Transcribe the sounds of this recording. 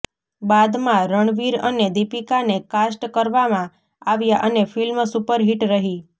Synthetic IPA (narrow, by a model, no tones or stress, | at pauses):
bad̪mãɾəɳʋiɾəned̪ipikanekasʈkəɾʋamã | aʋjaʔənefilmsupəɾɦiʈɾəɦi